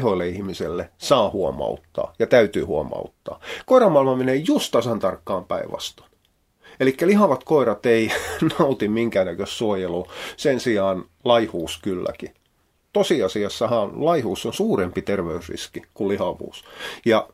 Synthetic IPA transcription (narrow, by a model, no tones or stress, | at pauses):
hoilːeihmiselːesɑːhuɔmɑ̰ut̪ːɑ̰ːjɑt̪æyt̪y̰ːhuo̰mɑ̰ut̪ːɑ̰ːkoirɑmːɑˑilmɑmenejust̪ɑsɑnt̪ɑrkːɑːmpæ̰iʋʋɑ̰st̪ɑ̥n | elikːælihɑʋɑt̪koiɾɑt̪einɑut̪immiŋkæːnækøssuojelusensiɑːn | lɑihuːskylːæ̰ki | t̪osiɑsiɑsːɑhɑnlɑihuːsːonsuːɾempit̪erʋeysrḭskikulihɑʋṵːsjɑ